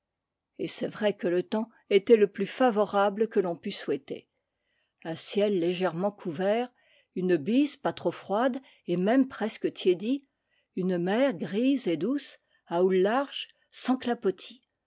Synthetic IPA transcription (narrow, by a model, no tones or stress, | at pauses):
esɛvʁɛkələt̪ɑ̃ | et̪ɛləplyfavɔʁabləkəlɔ̃pyswɛt̪ḛ | ɛ̃sjɛlːeʒɛʁmɑ̃kʰuvɛʁ | ynəbizpat̪χofχwad̪ | emɛmpχɛskət̪ʰjed̪i | ynmɛʁɡʁized̪us | aulːaʁʒ | sɑ̃klapɔt̪ʰi̥